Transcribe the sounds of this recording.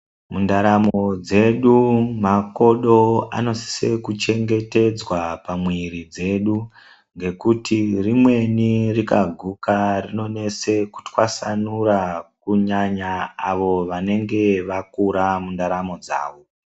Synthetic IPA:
mundaɾamo̞d͡ze̞ɗumako̞ɗo̞a̰no̞si̥sḛkut͡ʃe̞ŋɡe̞te̞d͡zwapamwiɾid͡ze̞ɗu | ŋɡe̞kutʰirimwe̞nirikaɡʱukarino̞ne̞se̞ku̥tkwasanuɾakuɲaɲaːʋo̞ʋane̞ŋɡe̞ʋakuɾamundaɾamo̞d͡za̰ːʋo̞

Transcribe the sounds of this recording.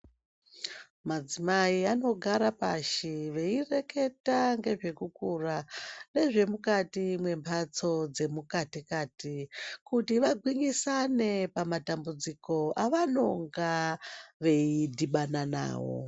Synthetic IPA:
mad͡zimaiano̞ɡʱaɾapaʃiʋe̞ire̞ke̞taŋɡe̞ʐe̞kukurane̞ʐe̞mukatimwe̞mpʰat͡so̞d͡ze̞mukatikaːtikutiʋaɡʱwiŋɡisane̞pamatambud͡ziko̞ʔaʋano̞ŋɡaʋe̞idʱiɓanana̰ːwo̞̰

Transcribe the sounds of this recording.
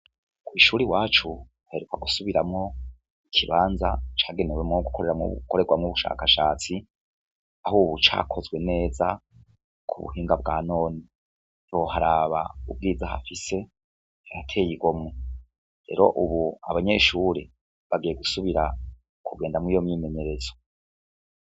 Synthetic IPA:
kwiːʃuːɾiwaːt͡ʃu | uheɾukaɡusuβiɾamŋo̞ | ikʰiβaːnza̰t͡ʃaːɡe̞newemŋoɡukʰo̞ɾe̞ɾamṵkʰo̞ɾe̞ɡwamŋuβuʃa̰ːkaʃaːt͡si | ahuːβut͡ʃa̰ːkʰo̞zɡwe̞ne̞ːza | kʰṵβṵɦiːŋɡab̚ɡaːno̞ːni | ɾohaɾaβaṵb̚ɡiːd͡zaha̰fise̞ | ajatʰe̞ːjiɡomŋe | ɾḛːɾo̞ʔuβuaβaɲe̞ʃuɾe̞ | βaɡijeɡusuβiɾa | kʰuɡe̞ːndamŋiːjo̞mɲiːme̞ɲe̞ɾe̞zo̥

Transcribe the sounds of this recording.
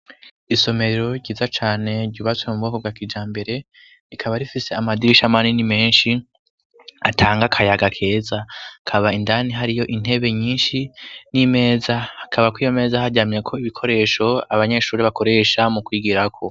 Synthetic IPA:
iso̞me̞ɾeɾo̞ɟiːzat͡ʃaːne̞ɾɟuːβat͡swemumuɡokobɡwakid͡ʒaːmbe̞ɾe̞ | ikʰaβaɾifise̞amadiɾiʃamaninime̞ːnʃi | atʰaːŋɡakʰajaɡakʰe̞ːzakʰaβaindaniɦaɾijo̞ʔin̥e̞βe̞ɲiːnʃinime̞ːzahakʰaβakwiːjome̞ːzahaɟaːmje̞kʰo̞iβikʰo̞ɾe̞ʃo̞aβaɲe̞ʃuːɾeβako̞ɾe̞ʃamukwiːɡiɾakʰo̞

